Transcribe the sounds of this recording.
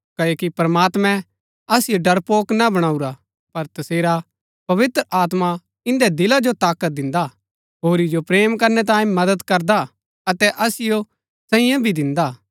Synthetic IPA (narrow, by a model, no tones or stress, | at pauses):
kɐokipɾɐmaːt̪mɛ̃ | ɐsɪjoɖɐɾpoːknabɐɽ̃aːuɾa | pɐɾt̪ɐseːɾa | pɐʋɪt̪ɾəaːt̪ma | ɪ̃nd̪ɛd̪ɪlad͡ʒot̪aːkət̪̚d̪ɪ̃nd̪a | ɦoːɾid͡ʒopɾeːmkɐɾnɛt̪̬ãːĩmɐd̪əd̪kɐɾd̪a | ɐt̪ɛʔɐsɪjo | sɐɪ̃jãbʱid̪ɪ̃nd̪aː